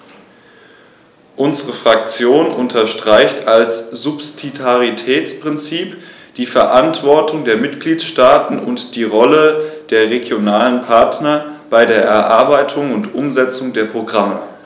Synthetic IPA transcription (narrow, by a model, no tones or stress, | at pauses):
ʔʊnzəʁəfʁ̥ak̚t͡sjoːnʔʊntʰɐʃtʁ̥aɪçtalsz̥ʊpst͡sitʰaʁitʰɛːt͡spʁ̥ɪnt͡siːpd̥iːfɛɐʔantv̥ɔɐtʰʊŋdeːɐmɪtɡ̥liːtʃtaːtn̩ʊ̰ntd̥iːʁɔləd̥eːɐʁeɡjonaːlənpʰaɐtnɐb̥aɪdeːɐʔɛɐʔaɐbaɪtʰʊŋʊntʔʊmzɛt͡sʊŋdeːɐpʁ̥oɡʁamə